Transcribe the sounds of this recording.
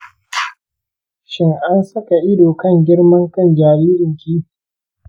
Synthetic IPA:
ʃɪ˦ŋʔa˦nsɐ˦ka˨ʔɪ˦doː˨kɐ˦˨ŋɡʲɪ˦ɽmɐ˦ŋkɐ˦nd͡ʒaː˨ɾiː˦ɾɪ˨ŋkʲiː˦

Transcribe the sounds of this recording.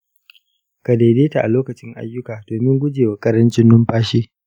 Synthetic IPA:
ka˨deː˨deː˦ta˨ʔa˨loː˦kɐ˨t͡ʃɪ˦ŋʔa̰˦jːʊ˦kaː˨doː˨mɪ˦ŋɡʷʊ˦d͡ʒeː˨wa˨kʼɐ˦ɾɐ˦nt͡ʃɪ˦nːʊ˦mɸaː˦ʃiː˦

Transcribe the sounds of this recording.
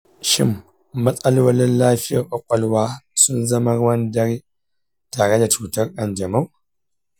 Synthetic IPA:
ʃɪ̰˦mː | ɐ˦t͡sʼɐ˦lwɐ˦lɪ˦nlaː˦ɸɪ˦ja˨ʔʷʼɐ˦kʷʼɐ˦lwaː˦sʊ˦nzɐ˦mɐ˦ɾwɐ˦ndɐ˦ɾi˦ | taː˨ɽe˦da˨t͡ʃuː˨tɐ˦ɾʔɐ˨nd͡ʒɐ˨ma˦w

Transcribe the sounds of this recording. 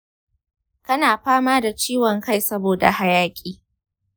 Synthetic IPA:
kɐ˦naː˨ɸaː˦maː˦da˨t͡ʃiː˦wɔ˨ŋka˦˨jsɐ˦boː˨da̰˨ha˦jaː˦kʲʼiː˦

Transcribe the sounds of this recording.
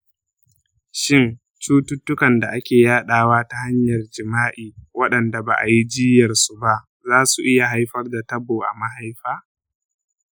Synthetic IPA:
ʃɪ˦˨n | t͡ʃuː˦tʊ˦tːʊ˦kɐ˨nda˨ʔa˦kʲeː˨jaː˦ɗaː˨waː˦ta˦ha˦ɲjɐ˨rd͡ʒɪ˨maː˦ʔiː˨wɐ˦ɗɐ˨nda˨ba̰ː˨ʔa˨ji˦d͡ʒɪː˦jɐ˨rsu˨ba˦ʔ | zaː˦su˨ʔɪ˦ja˨ɦa˦jɸɐ˦rda˨tɐ˦boː˨ʔa˨ma˦ɦa˦jɸaː˦

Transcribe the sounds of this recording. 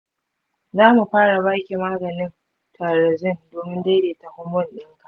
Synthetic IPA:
zaː˦mu˨ɸaː˦ɽa˨baː˦kʲi˨maː˦ɡɐ˨nɪ˦n | tʰaː˨ɾɐ˨zɪ˦ndoː˨mɪ˦nda˦jdeː˨ta˨hʊ˦mːʊ˦˨nɗɪ˦ŋka˨ʔ

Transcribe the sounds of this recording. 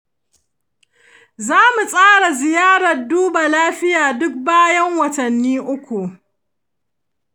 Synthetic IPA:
zaː˦mu˨sʼaː˦ɽa˨zɪ˨jaː˦ɽɐ˨rduː˦ba˨laː˦ɸɪ˦jaː˨dʊ˦k̚baː˦jɐ˦ŋwɐ˨tɐ˨nːiː˦ʔʊ˦kʷu˨

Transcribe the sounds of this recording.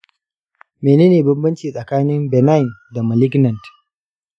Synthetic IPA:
meː˨neː˦neː˨bɐ˦mbɐ˦nt͡ʃiː˨sʼɐ˨kaː˦nɪ˦mbɛ˨na˦jɪ˨nda˨mɐ˨lɪ˦ɡnɐ˨nd

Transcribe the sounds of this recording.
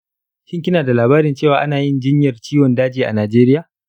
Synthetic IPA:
ʃɪ˦ŋkʲɪ˦naː˨da˨laː˨baː˦ɾɪ˨nt͡ʃeː˦˨waː˨ʔa˦naː˨jɪ˦nd͡ʒɪ˦ɲjɐ˨rt͡ʃiː˦wɔ˨ndaː˦d͡ʒiː˨ʔa̰˨naː˨d͡ʒeː˦ɾɪ˦jaː˨

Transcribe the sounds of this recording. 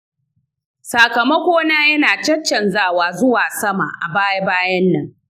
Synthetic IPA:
sa˨kɐ˨mɐ˦kʷoː˦naː˦jɐ˦naː˨t͡ʃɐ˦t͡ʃːɐ˨nzaː˦˨waː˨zʊ˦waː˨sɐ˦ma̰˨ʔa˨baː˦ja˦baː˦jɐ˦nːɐ˨ŋ

